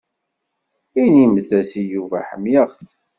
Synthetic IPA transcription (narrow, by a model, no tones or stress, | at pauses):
inimθæsijuvæħəmjəʁθ